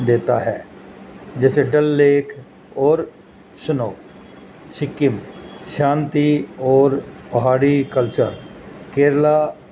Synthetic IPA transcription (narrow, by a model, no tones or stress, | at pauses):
d̪eːt̪a̰ɦɛː | d͡ʒɛːseɖəlːeːkʰ | ɔːɾ | sʊnoː | sɪkɪmʃãːnt̪iɔːɾpəɦaːɾikəlt͡ʃə̰ɾkeːɾla